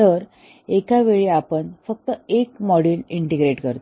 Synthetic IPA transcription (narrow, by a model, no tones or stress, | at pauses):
t̪əɾ | ekaʋeɭiapəɳfək̚t̪əekmɔɽiliɳʈeɡɾeʈkəɾt̪o